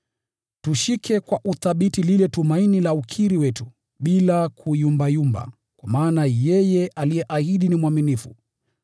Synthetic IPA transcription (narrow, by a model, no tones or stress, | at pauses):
tuʃikʰɛkwaʔuθaɓitililɛtumainilaukʰiɾiwɛtu | ɓilakʰujumbajumba̰ | kwamaːnajɛjɛʔalijɛʔahiɗinimwaminifṵ